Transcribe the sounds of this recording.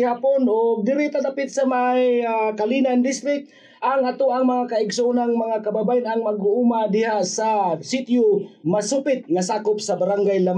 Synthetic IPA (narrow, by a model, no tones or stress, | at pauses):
haːponoɡ̚d̪ɪɾɪt̪ad̪apɪt̪samajkalinand̪ɪst̪ɾɪk̚t̪̚ | ʔaŋat̪oaŋmɐŋakaɪɡsoʊnaŋmɐŋakababajɪnaŋmaɡʊʔumad̪ɪhasasɪt̪jʊmasupɪt̪̚ŋasaːkʊp̚sabaɾaŋɡajlam